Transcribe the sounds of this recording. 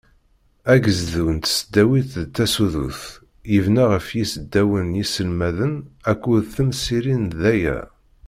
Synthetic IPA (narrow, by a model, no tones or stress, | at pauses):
æɡəzðunt̪səd̪ːæwiθðt̪ːæsuðṵθ | jəvnaʁəfjisəd̪ːæwənjisəlmæðənækʷːuðθəmsiɾinðæjæ̰